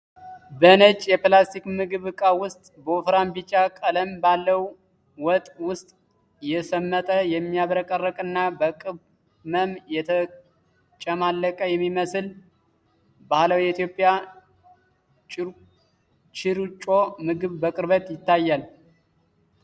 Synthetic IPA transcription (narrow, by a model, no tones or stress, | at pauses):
bənət͡ʃʼjɛplast̪ʰikmɨɡɨβɨkʼawʊst̪ʼbəufɾambit͡ʃʼːakʼələmbalːəw | wɔt̪ʼwʊst̪ʼ | jɛsəmːət̪ʼəjɛmːijaβɾəkʼərːəkʼɨnːabəkʼɨβ | məmjɛt̪ʰə | t͡ʃʼəmalːəkʼəjɛmːiməsɨl | baləwjɛit̪jo̞pʼːja | t͡ʃɪɾt͡ʃʼomɨɡɨβbəkʼɨɾβət̪ʼjɪt̪ːajːal